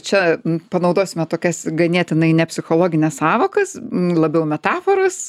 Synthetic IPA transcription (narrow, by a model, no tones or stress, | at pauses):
t͡ʃʲɛpɐnɐʊd̪oːsʲɪmʲɛt̪oːkʲɛsɡɐnʲiɛt̪ʲɪnɐɪnʲɛpʲsʲɪxoːlˠoːɡʲɪnʲɛssɑːʋoːkɐslˠɐbʲɛʊmʲɛt̪ɑːfoːɾɐs